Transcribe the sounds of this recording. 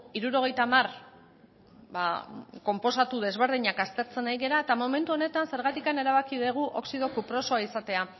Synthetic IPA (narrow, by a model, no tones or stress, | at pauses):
iɾuɾo̞ɣ̞e̞jt̪amar | ba̰ko̞mpo̞sat̪uðe̞zβe̞ɾð̞iɲakast̪e̞ɾt͡se̞najɣe̞ɾaet̪amo̞me̞nt̪uo̞ne̞t̪anse̞ɾɣat̪ikane̞ɾaβakiðeɣ̞uʔo̞̰ksið̞o̞kupɾo̞so̞aisat̪e̞a